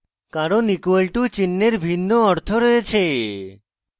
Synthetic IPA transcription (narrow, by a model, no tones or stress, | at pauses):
kaɾonikuelʈut͡ɕinːeɾbʱinːoɔɾt̪ʰoɾɔjet͡ɕʰe